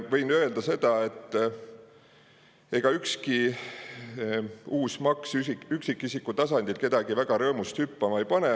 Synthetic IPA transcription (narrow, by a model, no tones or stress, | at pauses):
vɤjnøeld̪̥ɑse̞d̪̥ɑe̞t̪ː | e̞ɡ̥ɑykski | uːsmɑksyyksikːˑisikːut̪ɑsɑnd̪̥ilke̞d̪ɑɡ̥ivæɡ̥ɑɾɤːmust̪hypːɑmɑejpɑne